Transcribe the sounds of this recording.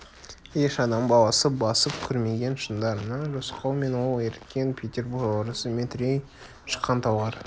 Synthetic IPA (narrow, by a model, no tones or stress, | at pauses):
je̞ʃɑd̪ɑmbɑlˠɑsəp̚bɑsəp̚kʲʰʏɾme̞ɡʲe̞nʃənd̪ɑɾənɑʒosqɑwme̞nwolˠeɾt̪kʲe̞npʲʰet̪ʲe̞rbuɾɡoɾəsəmet̪ɾʲej | ʃə̥qʰːɑnt̪ʰɑwɑɾ